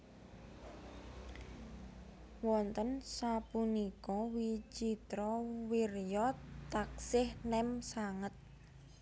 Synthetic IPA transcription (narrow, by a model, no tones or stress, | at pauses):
wɔnt̪ənsapunikɔwit͡ʃit̪ɾɔwirjɔt̪ak̚sɪhnɛmsaŋət̪̚